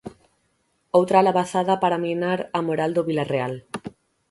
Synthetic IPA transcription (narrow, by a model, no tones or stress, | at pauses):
owt̪ɾaalaβaθaðapaɾaminaɾamoɾald̪oβilareal